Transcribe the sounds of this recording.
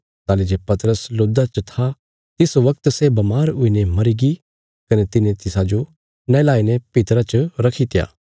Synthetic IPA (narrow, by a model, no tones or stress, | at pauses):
t̪aːlid͡ʒepɐt̪ɾəsloːd̪at͡ʃt̪ʰa | t̪ɪsʋɐk̚t̪sebɐmaːɾʊinemɐɾiɡi | kɐnet̪ɪnẽt̪ɪsad͡ʒo | nɐlaːinepɪt̪ɾat͡ʃɾɐkʰit̪ɪja̰ː